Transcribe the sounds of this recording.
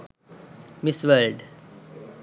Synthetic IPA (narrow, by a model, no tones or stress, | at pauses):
mɪsʋəlɖ